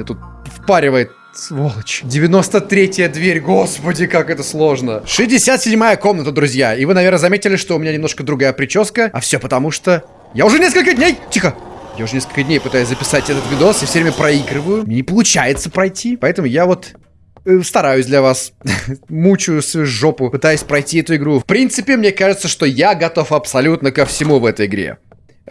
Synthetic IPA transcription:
et̪ut̪̚ | fpaɾʲɪvəjɪt̪̚ | volˠət͡ɕdʲɪvʲɪno̞st̪ət̪ɾʲetʲjəd̪vʲeɾʲɡospədʲɪkakɛt̪əslˠo̞ʐnəʂɨzʲdʲɪsʲat̪sʲɪdʲmajəkomnət̪əd̪ɾʊzʲjaivɨnɐvʲe̞rnəzɐmʲetʲɪlʲɪʂt̪oʊmʲɪnʲanʲɪmnoʂkəd̪ɾʊɡajəpɾʲɪt͡ɕoskəɐfsʲopət̪ɐmuʂt̪o | jaʊʐɛnʲeskəlʲkədʲnʲejtʲixəjaʊʐɛnʲeskəlʲkədʲnʲejpɨt̪ajʊsʲzəpʲɪsatʲɛt̪ət̪vʲɪd̪osjafsʲɵvɾʲemʲəpɾɐiɡɾɨvəjʊmnʲenʲɪpəlˠʊt͡ɕajɪt̪səpɾɐjtʲʰipɐɛt̪əmʊjavo̞t̪ | st̪ɐɾajʊsʲd̪lʲɐvas | mut͡ɕʊsʐːopʊpɨt̪ajʊsʲpɾɐjtʲiɛt̪ʊɪɡɾufpɾʲint̪sɨpʲɪmnʲekaʐɨt̪səʂt̪ojaɡɐt̪o̞fɐpsɐlʲut̪nəkəfsʲɪmuvɛt̪əjɪɡɾʲḛ

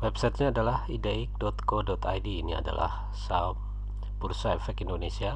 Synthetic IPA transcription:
wɛpsajt̪̚ɲaːdalahideik̚dɔt̪kodɔt̪a̰jdiːnia̰da̰lʔa̰h | sam | bursaefɛkindonesia

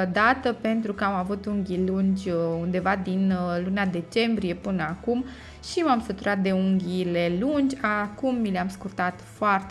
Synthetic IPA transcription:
d̪at̪əpe̞nt̪ɾukəamavut̪uŋɡʲilund͡ʒʲund̪e̞vad̪inlunead̪e̞t͡ʃe̞mbɾije̞pɨnəakum | ʃimamsət̪uɾʔat̪̚d̪e̞uŋɡʲile̞lund͡ʒʲakumːileamskurt̪at̪foart̪

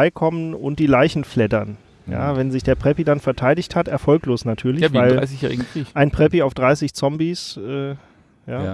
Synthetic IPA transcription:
ɪkʰɔmənʊ̰nt̚d̥iːlaɪçn̩flɛtɐn | ja̰ːvɛnzɪçd̥eːɐpʁ̥ɛpidanfɛɐtʰaɪdɪçthatʔɛɐfɔlkloːsnatʰyːɐlɪçvaɪla̰ɪs̬ɪçjɛ̰ːiʔaɪnpʁ̥ɛpiaʊfd̥ʁaɪsɪçt͡sɔmbisʔɛː | jaː

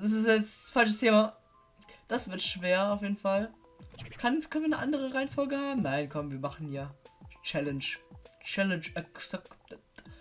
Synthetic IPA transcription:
d̥as̬ɪsɛt͡sfalt͡ʃəstʰeːma | d̥asv̥ɪɐtʃv̥eːɐaʊfjeːdn̩fal | kʰankʰœnviːɐnəʔa̰ndəʁəʁaɪnfɔlɡəhaːbm̩naɪnkʰɔmviːɐmaχn̩jaːt͡ʃɛlənt͡ʃt͡ʃɛlənt͡ʃɛksɛktət

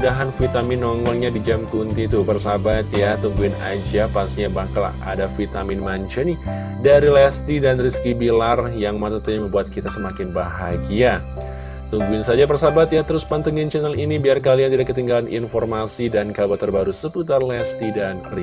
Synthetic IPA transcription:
udaɦanfit̪amɪnɔŋɔlɲadid͡ʒamkunt̪it̪upərsabat̪jat̪uŋɡuɪna̰d͡ʒiapasiɲabakala̰a̰dafit̪amɪnmaɲt͡ʃəni | daɾilɛst̪idanriskibilarjaŋmat̪at̪aɲaməmbuat̪̚kit̪asəmakɪnbaɦaɡia | t̪uŋɡuɪnsad͡ʒap̬ərsabat̪jat̪əɾʊspant̪əŋint͡ʃɛnalinibiarkaliant̪idakːət̪iŋɡalanʔḭnfɔrmasidankabat̪ːərbaɾusəput̪arlɛst̪idanri

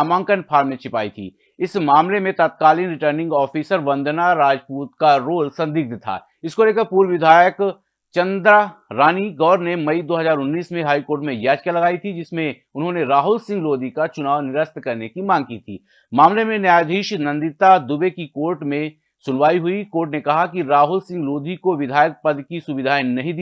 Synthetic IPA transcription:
aːmãːŋkənpʰaːɾmnẽt͡ʃʰɪpaːit̪ʰḭː | ɪsmaːmlemẽt̪ət̪̚kaːlinɾɪʈəɾnɪ̃ŋɡɔːfʰiːsəɾʋɐ̃nd̪ʱnaɾaːd͡ʒpuːt̪kaɾoːlsɐ̃nd̪ik̚d̪t̪ʰa̰ː | ɪskoleːkəɾpuːɾʋɪd̪ʱaːjək | t͡ʃɐ̃nd̪ɾaɾaːniɡɔːɾnemɐid̪oːɦɐzaːɾʊnːiːsmẽɦaːikoːɾʈmẽjaːd͡ʒkjalɐɡaːit̪ʰid͡ʒɪsmẽ | ʊnɦõneɾaːɦʊlsɪ̃ŋɡloːd̪ʱikat͡ʃʊnaːʋnɪɾəst̪kɐɾnekimãːŋɡ̚kiːt̪ʰḭː | maːmlemẽnjaːjd̪ʱiːʃnɐ̃nd̪ɪt̪ad̪ʊbekikoːɾʈmẽ | sʊnʋaːiɦʊikoːɾʈnekɐɦakiɾaːɦʊlsɪ̃ŋɡloːd̪ʱikoʋɪd̪ʱaːjək̚pɐd̪kisʊbɪd̪ʱaːjnɐɦĩd̪i

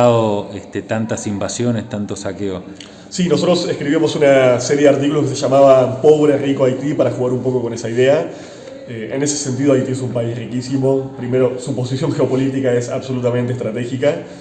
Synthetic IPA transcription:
aoest̪et̪ant̪asimbasjo̞nest̪ant̪osakeo | sino̞s̬o̞t̪ɾosehkɾiβimo̞sunaseɾjeðaɾt̪̬ikuloskeseʒamaβampo̞β̞ɾerikoajt̪ipaɾaxuɣaɾumpo̞ko̞ko̞ne̞saiðe̞a | eene̞se̞̥se̞nt̪iðo̞ajt̪ie̞sumpaisrikisimo̞pɾime̞ɾo̞supo̞sisjõ̞ŋxeopo̞lit̪ikae̞sa̰βso̞lut̪ament̪est̪ɾat̪e̞xika

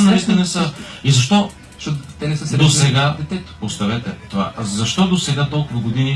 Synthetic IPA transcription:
nɐist̪inɛsəizɐʃt̪ɔ | ʃɔt̪ʊt̪ɛnɛsəsd̪osɛɡad̪ɛt̪ɛt̪ʊ̥post̪ɐvɛt̪ɛt̪ova̰ʔzɐʃt̪ɔd̪osɛɡat̪ɔlˠkʊvɐɡod̪ini

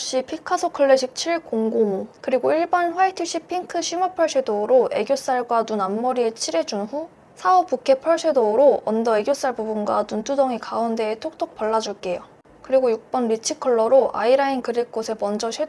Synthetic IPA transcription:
ɕ͈ipʰikʰasʰokʰɯɭːe̞ɕʰik̚t͡ɕʰiɭkoŋɡoŋkɯɾiɡoiɭbanɸwaitʰɯɕ͈ipʰiŋkʰɯɕʰimupʰʌɭɕʰedoɾoʔe̞̰ɡjos͈aɭɡwanunamːʌɾiet͡ɕʰiɾe̞d͡ʑunɸu | sʰaʌp͈ukʰe̞pʰʌɭɕʰedoɾoʌndʌe̞ɡjos͈aɭbubunɡwanuntʰudʌŋikaunde̞ːtʰok̚t͈ok̚pʌɭːad͡ʑuɭk͈e̞jo | kɯɾiɡojuk̚p͈ʌnɾit͡ɕʰikʰʌɭːʌɾoʔa̰iɾainkɯɾik̚k͈osʰe̞mʌnd͡ʑʌɕʰwe

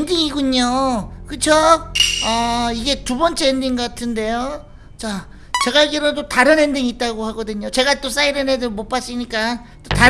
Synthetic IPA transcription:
endiŋiɡuɲokɯt͡ɕʰoʌiɡe̞tubʌnt͡ɕ͈e̞ːndiŋɡʌkatʰɯnde̞jo | t͡ɕa | t͡ɕe̞ɡajeɡiɾʌdotaɾɯnɦe̞ndiŋit̚t͈aɡohaɡʌdɯɲot͡ɕe̞ɡat͈os͈aiɾenedɯɾmop͈as͈iɲik͈a | t͈ota

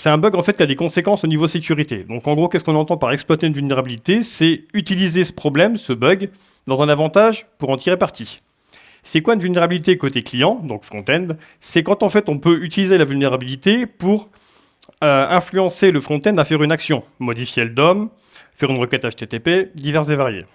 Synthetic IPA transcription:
sɛt̪ɛ̃bœɡɑ̃fɛt̪kʲiad̪ekɔ̃sekɑ̃sonivod̪sekʲyʁit̪ḛd̪ɔ̃kɑ̃ɡʁokʲɛskɔ̃nɑ̃t̪ɑ̃paʁɛksplwat̪eynvylneʁabilit̪esɛyt̪ilizesə̥pχɔblɛmsəbœɡ | d̪ɑ̃zɛ̃navɑ̃t̪aʒpuʁɑ̃t̪iʁepaʁt̪i | sɛkwaynvylneʁabilit̪ekot̪eklijɑ̃d̪ɔ̃kfχɔ̃t̪ɛnd̪ | sɛkɑ̃t̪ɑ̃fɛt̪ɔ̃pøyt̪ilizelavylneʁabilit̪epuʁ | øɛ̃flyɑ̃seləfχɔ̃t̪ɛ̃d̪afɛʁynaksjɔ̃mɔd̪ifjeld̪ɔm | fɛʁynʁəkɛt̪aʃt̪et̪eped̪ivɛʁszevaʁjḛ

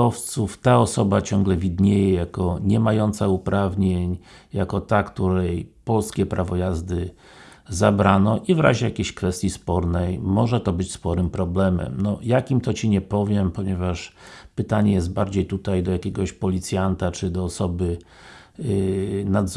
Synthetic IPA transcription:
ɔft̪suft̪aɔsɔbat͡ɕɔŋɡlɛvʲid̪ɲejɛjakɔɲɛmajɔnt̪saupɾʔavɲeɲjakɔt̪akt̪uɾɛjpɔlskʲɛpɾavɔjazd̪ɘ | zabɾanɔʔivɾa̰ʑɛjakʲeɕkfɛst̪ʲjispɔɾnɛjmːɔʐɛt̪ɔbɘt͡ɕspɔɾɘmpɾɔblɛmɛ̰mnɔjakʲimt̪ɔt͡ɕiɲɛpɔvʲjɛmpɔɲɛvaʂpɘt̪aɲɛjɛst̪̚baɾd͡ʑejt̪ut̪ajd̪ɔjakʲɛɡɔɕpɔlʲit̪sʲjant̪at͡ʂɘd̪ɔːsɔbɘ | nad̪z

